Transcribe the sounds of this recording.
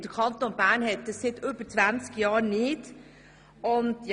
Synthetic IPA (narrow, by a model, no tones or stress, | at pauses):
d̪̥əɾkʰɑnt̪onbæːnhɛt̪̚d̥̪ɑsːɪt̪ʏb̥əɾt͡sʋænt͡skjɑːɾnɪt | ʊnt̪j